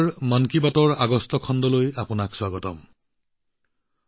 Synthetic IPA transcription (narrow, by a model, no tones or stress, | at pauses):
ɹmankibatɔɹaɡɔstɔkʰɔndɔlojapʊnakswaɡɔtɔ̰m